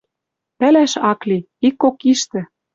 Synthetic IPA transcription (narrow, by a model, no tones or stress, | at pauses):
pælæʃɑkli | ikːokiʃt̪ɘ̆